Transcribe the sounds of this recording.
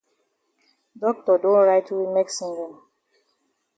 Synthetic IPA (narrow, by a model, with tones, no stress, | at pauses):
dɔ˦k̚tɔ˨dõ˦nɹaɪtʰu˨wi˨mɛ˦ksĩ˦ŋɡɔ̃˨m